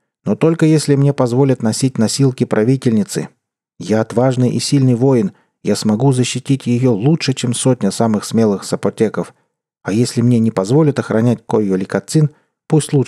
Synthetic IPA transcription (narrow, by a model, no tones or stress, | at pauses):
no̞t̪o̞lʲkəjesʲlʲɪmnʲe̞pɐzvo̞lʲət̪nɐsʲit̚ʲnɐsʲilˠkʲɪpɾʔɐvʲitʲɪlʲnʲɪt̪sɨ̰ | jaɐt̪vaʐnɨjʔɪ̰sʲilʲnɨjvo̞jɪn | jasmɐɡuzəɕːɪtʲitʲjɪjo̞lˠutʂɨt͡ɕemsotʲnʲəsamɨxsmʲe̞lˠɨxsəpɐtʲe̞kəf | ɐjesʲlʲɪmnʲe̞nʲɪpɐzvo̞lʲɪt̪ɐxɾɐnʲætʲkojjolʲɪkɐt̪sɨn | pusʲtʲlˠu